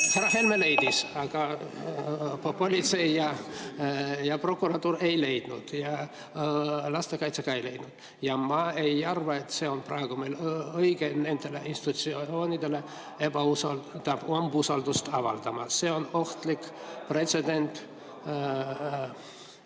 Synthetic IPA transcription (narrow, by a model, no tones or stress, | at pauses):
heɾɑɦe̞lmele̞jd̪isɑɡ̥ɑ | po̞lʲit̪se̞jjɑ | jɑpro̞kːˑuɾɑt̪ːuːɾe̞jle̞jd̪̥nṵd̪̥jɑ | lɑst̪e̞kɑjt̪seɡ̥ɑe̞jle̞jd̪̥nud̪̥ | jɑmɑe̞jɑrvɑet̪ːse̞o̞nprɑ̰eɡ̥umelɤjɡ̥ene̞nd̪e̞leʔinst̪i̥t̪ut̪sio̞ːnid̪e̞le̞ | e̞bɑusɑlt̪ɑb̥ombusɑld̪ust̪ɑvɑ̰ld̪̥ɑmɑse̞o̞no̞ht̪likː | pre̞t̪se̞d̪̥e̞nt̪ˑ